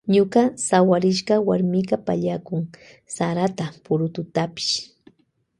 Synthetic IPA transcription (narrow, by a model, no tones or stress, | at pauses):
ɲʊkɑsawaɾɪʃɢɑwaɾmɪɢapa̰ʎakʊŋ | saɾat̪apʊɾʊt̪ʊt̪apɪ̥ʃ